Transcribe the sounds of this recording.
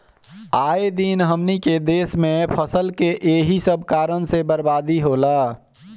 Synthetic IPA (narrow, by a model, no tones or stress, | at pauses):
aed̪inɦəmniked̪esmepʰəsəlkeʔeɦisəbʱkaɾənsebəɾbad̪iɦola